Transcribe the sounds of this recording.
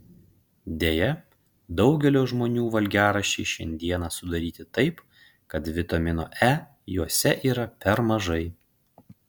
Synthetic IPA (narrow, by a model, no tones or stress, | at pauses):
d̪ʲeːjɛ | d̪ɒʊɡʲɛlʲoːʒmoːnʲuːʋɐlʲɡʲæːɾɐʃʲɛɪʃʲɛ̰nʲd̪ʲiɛnɑːsʊd̪ɐɾʲiːt̪ʲɪt̪ɐɪp | kɐt̪ʋʲɪt̪ɐmʲɪno̰ːʔæː | juɔsʲɛʔiːɾɐpʲɛɾmɐʒɐɪ